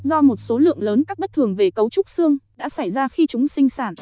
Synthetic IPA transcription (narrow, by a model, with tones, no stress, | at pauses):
zɔ˧mo˨˩t̚so˨˦lɨ̰˧˨əŋləː˨˦nkaː˦˥k̚ɓə˦˥t̚t̪ʰɨ˨˩əŋve˨˩kə˨˦wt͡ɕʊ˦˥k͡p̚sɨ˧əŋɗa̰ː˧˥sa˧˩jzaː˧xi˧t͡ɕʊ˨˦ŋ͡msï˧ŋsaː˧˩n